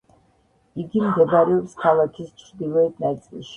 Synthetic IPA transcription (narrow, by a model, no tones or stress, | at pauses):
iɡimɡɛbaɾɛɔpskʰalˠakʰist͡ʃʰɾd̪ilˠɛɛt̪nat̪sʼḭlˠʃi̥